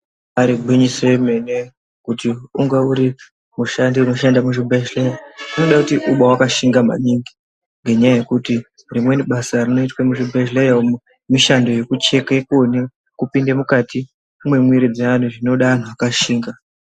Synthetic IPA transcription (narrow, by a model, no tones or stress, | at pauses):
aɾiɡʱwiɲiseme̞ne | kutiuŋɡeuɾi | muʃandiuno̞ʃandamuʐibʱeʒlejaino̞ɗakutiʔuɓawakaʃiŋɡama̰niŋɡi | ŋɡe̞ɲajaje̞kuti | rimwe̞niɓasarino̞itwamuʐibʱeʒlejaom | miʃando̞je̞kut͡ʃe̞kaekone | kupindemukatʰi | umwe̞mwiɾid͡zean̤uʐino̞ɗaʋan̤uakaʃiːŋɡa